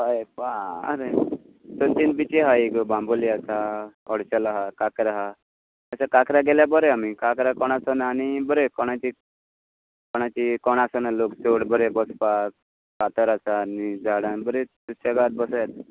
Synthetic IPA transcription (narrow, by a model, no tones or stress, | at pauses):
bajpaa̰ɾe | sɔnt̪inbit͡ɕiɦaiɡbãmboliasaɔɽt͡ɕəlaɦakakɾaɦa | əsakakɾaɡeljabəɾeamikakɾakɔɽ̃asɔnaːnibəɾekɔɽ̃at͡ɕi | kɔɽ̃at͡ɕikɔɽ̃asɔnaloksoɽbəɾebɔspak | kat̪əɾasanid͡zaɽanbəɾet̪usaɡat̪̚bɔsjat̪